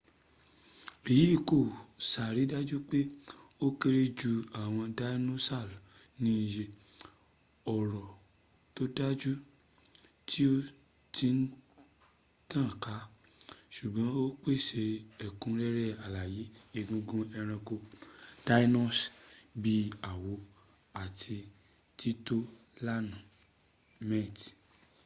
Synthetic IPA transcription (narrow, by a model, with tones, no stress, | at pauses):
e˨ji˨˦i˦˨ko˦˨sa˨ɾi˨˦da˦d͡ʒu˦k͡pe˦o˦ke˦ɾe˦d͡ʒu˧a˨w̃ɔ̃˧da˦no˦sa˦˨l | nĩ˦i˧je˧ | ɔ˨ɾɔ˨ | to˦da˦d͡ʒu˦ | tʰi˦o˦ | ti˧˦n̩˦ | tã˦˨ka˨˦ | ʃu˨ɡ͡bɔ̃˨˦o˦k͡pe˦˨ʃe˧ɛ˨kũ˧˦ɾɛ˦ɾɛ˦˨a˨la˨ji˨˦e˧ɡũ˧˦ɡũ˦ɛ˧ɾ̃ɛ̃˧ko˧d̥a˦i˦nɔ˦˨sbi˦a˨wo˨˦ | a˨tʰi˧ | ti˦to˦la˦nũ˨ | mɛ˦˨t